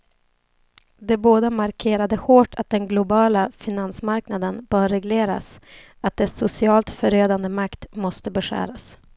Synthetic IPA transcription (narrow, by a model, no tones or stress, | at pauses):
d̪ɛboːd̪amaɾkʰeːɾad̪əhoːʈʰat̪̚d̪ɛnɡlʊbɑːlafɪnansmaɾknad̪ənb̥œːɾɛɡleːɾa̰s | at̪̚d̪ɛsʊsɪɑːlt̪fœɾøːd̪and̪əmakt̪mɔst̪əbɛɧæ̰ːɾas